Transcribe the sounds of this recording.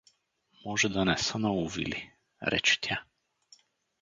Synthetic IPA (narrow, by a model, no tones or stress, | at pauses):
mɔʒɛd̪anɛsənauvḭli | ɾɛ̰t͡ʃɛ̥t̪ja